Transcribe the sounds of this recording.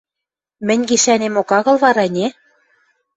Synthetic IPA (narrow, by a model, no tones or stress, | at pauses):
mɘ̆nʲɡiʃænemokɑɣɤ̆lβɑɾɑnʲe